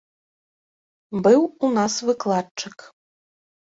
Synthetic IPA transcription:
bɨwunasvɨklˠad̚t͡ʂʰɨk

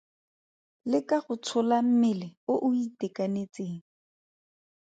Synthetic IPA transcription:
lɪkaχʊt͡sʰʊlam̩mɪlɛʊʔʊitɛkanet͡seːŋ̩

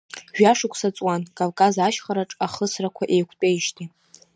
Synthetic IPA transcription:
ʒᶣaʂɨkʷʰsat͡sʼwankʼavkʼazaʃχaɾaʈ͡ʂʼaχəsrakʷʰaʔejkʷʰtʼejʃtʰʼi

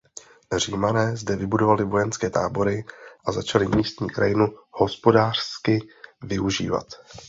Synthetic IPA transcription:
r̝iːmanɛːzdɛvɪbudo̞valɪvo̞jɛnskɛːt̪aːbo̞ɾɪʔazat͡ʃalɪmiːst̪ɲiːkɾa̰jɪnuho̞spo̞daːr̝̥skɪvɪuʒḭːva̰t̪

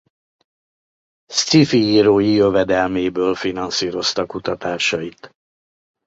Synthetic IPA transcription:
st̪ifiiːɾoːjijøvɛd̪ɛlmeːbøːlfinɒnsiːɾo̞st̪ɒkut̪ɒt̪aːʃɒjit̪

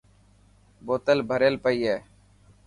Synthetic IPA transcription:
boːt̪əlbʱəɾelpəiːɦeː

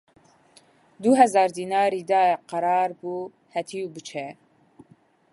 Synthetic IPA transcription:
d̪uɦɛzɑːɾd̪iːnɑːɾiːd̪ɑːqɑɾɑːɾbu | hɛt̪ʰiubɨt͡ʃʰɛ

